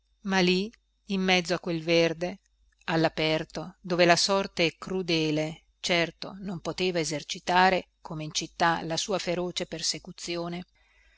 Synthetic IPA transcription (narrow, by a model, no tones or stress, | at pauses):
maliː | mːɛd̪zːoakːwelverd̪e | alːapɛrt̪od̪oːvelasɔrt̪eɛkɾud̪ɛːle | t͡ʃɛrt̪o̰nompot̪eːvaezert͡ʃit̪aːɾe | kʰomeint͡ʃit̪ːalasuːafeɾoːt͡ʃepersekut̪sːjoːne